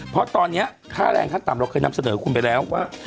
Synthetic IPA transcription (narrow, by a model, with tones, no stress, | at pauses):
pʰɔ˦˥t̪ɔː˧nːi˦˥ɐ | kʰaː˥˩ɾɛ̰ː˧˩ŋkʰa˧˥˩t̪aː˨˩mɾa˧wkʰɤː˧jna˧msa˧nɤː˩˦kʰu˧npa˧jlɛː˦˥wːaː˥˩